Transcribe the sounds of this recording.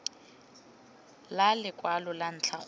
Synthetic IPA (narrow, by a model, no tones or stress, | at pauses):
lalɪkʼwalʊlan̩t͡ɬʰaχ